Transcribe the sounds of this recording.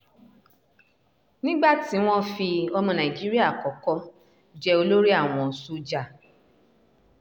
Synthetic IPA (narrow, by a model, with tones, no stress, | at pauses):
nĩ˦ɡ͡ba˦˨ti˨˦w̃ɔ̃˦fi˧ɔ˧mɔ̃˧nã˨i˨d͡ʒi˦ɾi˦a˦˨kɔ˨kɔ˦ | d͡ʒɛ˧o˧lo˦ɾi˦a˦˨w̃ɔ̃˨su˧˦d͡ʒa˨